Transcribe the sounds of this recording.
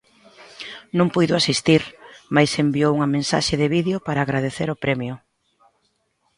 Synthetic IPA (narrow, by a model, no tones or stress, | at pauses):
nõŋpujðʊasist̪iɾmajsembiowuŋɐmẽnsa̰ʃeðɪβiðeʊpaɾaːɣɾað̞eθeɾʊpɾɛmjʊ